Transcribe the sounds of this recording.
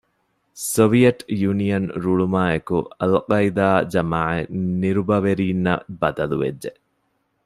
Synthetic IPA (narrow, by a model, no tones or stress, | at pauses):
soʋijɐʈjunijɐnɾuɭumaːekṵɐlqɐjd̪aːd͡ʒɐmaːʕeniɾubɐʋeɾiːnːɐbɐd̪ɐluʋḛdʒe